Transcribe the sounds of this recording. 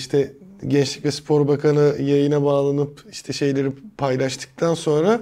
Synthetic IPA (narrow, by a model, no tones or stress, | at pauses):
iʃt̪ʰɛɟɛnt͡ʃlʲicvɛspʰo̞ɾbakʰanɯjajɯnabaːlˠanɯpiʃt̪ʰɛʃe̞jlʲeɾipʰajlˠaʃt̪ʰɯ̥k̚t̪ʰanso̞nɾa